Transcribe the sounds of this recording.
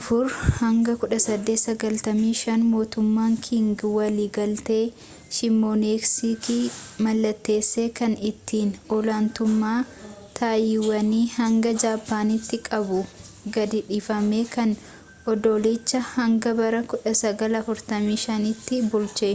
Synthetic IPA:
ʔɐfʊɾhɐŋɡɐkʊᶑɐsɐd̪ːeːt̪sɐɡɐlt̪ɐmiːʃɐnmo̞ːt̪ʊmːaːŋkʰɪŋɡɪwɐliːɡɐlt̪e̞ː | ʃɪmːoːneksiːkimɐlːɐt̪ːe̞ːsːe̞ːkɐnɪt̪ːiːnɔlaːnt̪ʊmːaːt̪ʰaːjɪwɐniːhɐŋɡɐd͡ʒaːpːaːnɪt̪ːɪkʼɐbʊ | ɡɐd̪ɪᶑiːfɐme̞ːkɐn | ʔɔd̪oːlɪt͡ʃːɐhɐŋɡɐbɐɾɐkʊᶑɐsɐɡɐlɐfʊɾt̪ɐmiːʃɐnɪt̪ːɪbʊlt͡ʃe

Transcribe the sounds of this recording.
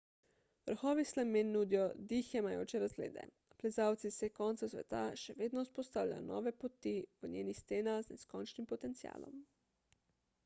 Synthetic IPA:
ʋəɾxɔːʋislamenːud̪ijɔd̪ixɛmajoːt͡ʃɛɾazɡlḛːd̪ɛ̰ | plɛzaːwt̪sisɛkɔːnt̪sasʋɛ̰t̪aʃɛʋeːd̪nɔuspɔst̪aːwlʲa̰jɔ̰nɔ̰ːʋɛpot̪iʋənɲjeːnixst̪eːnaznɛ̰skɔnt͡ʃnimpɔt̪ɛnt̪sija̰ːlɔ̰m

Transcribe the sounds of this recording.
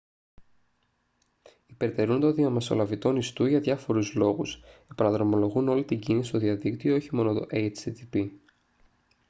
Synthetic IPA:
ipe̞ɾt̪e̞ɾunt̪oðiɐme̞so̞̰lɐvit̪o̞nist̪uʝɐðʝɐfo̞ɾuzlo̞ɣuse̞pɐnɐðɾomo̞lo̞ɣuno̞lit̪iɟinisist̪o̞ðiɐðikt̪io̞oçimo̞not̪o̞̰ʔejt͡ʃit̪ipi

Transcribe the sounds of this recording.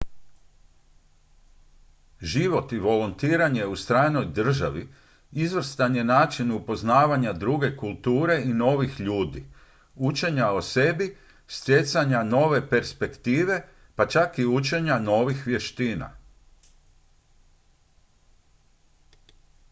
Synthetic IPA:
ʒiʋo̞t̪iʋo̞lont̪iːɾaɲeust̪ɾaːno̞jd̪r̩ʒaʋi | izʋr̩st̪anje̞naːt͡ʃinupo̞znaːʋaɲad̪ɾuɡe̞kulˠt̪uːɾe̞ino̞ʋixʎuːd̪i | ut͡ʃe̞ɲaose̞bi | st̪jet̪saɲano̞ʋe̞pe̞ɾspe̞kt̪iːʋe̞ | pat͡ʃakiut͡ʃe̞ɲano̞ʋixʋje̞ʃt̪iːna̰

